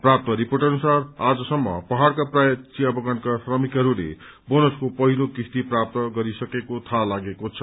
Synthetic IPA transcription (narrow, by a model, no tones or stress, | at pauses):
prap̚t̪ʌɾiporʈʌnusarad͡zʌsʌmːʌ̰pʌɦaɽkaprajʌt͡sijabʌɡʌnkasrʌmikɦʌɾulḛ | bonʌskopʌɦilokist̪iprap̚t̪ʌɡʌɾisʌkekot̪ʰalaɡekot͡sʰʌ